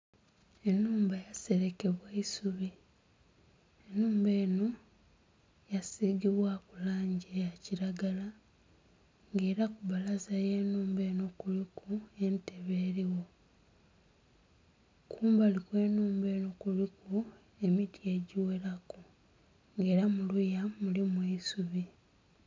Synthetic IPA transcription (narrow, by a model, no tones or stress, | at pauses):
e̞nːuːmbajase̞ɾe̞ke̞βwaisuβi | enuːmbe̞ːno | jasiɡiβwakulaːɲɟejaciɾaɡala | ŋɡe̞ːɾakuβalazajeːnuːmbe̞ːno̞kulikue̞nteβe̞ɾiwo̞ | kʰuːmbalikwe̞ːnuːmbe̞ːno̞kuliku | e̞mitie̞ɟiweɾaku | ŋɡe̞ːɾamulujamulimweisuβi